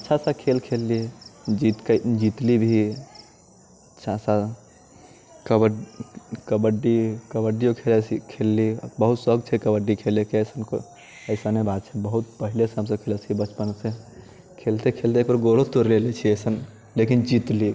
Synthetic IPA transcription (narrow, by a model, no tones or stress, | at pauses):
ətːʃʰasãkʰelkʰelːid͡ʒit̪kəd͡ʒit̪libʱi | tːʃʰasa | kəbə | kəbəɖikəbəɖiokʰelesikʰelːibəɦut̪səɡt͡ʃʰɛkəbəɖikʰelekeəsənko | əɪsənebad̪̚t͡ʃʰɛbəɦut̪̚pəɦilesəmsə̃kʰelet͡ʃʰibət͡ʃpənsẽ | kʰelt̪ekʰelt̪ekbəɾɡoɽot̪oɾlelet͡ʃʰiəsən | lekind͡ʒit̪li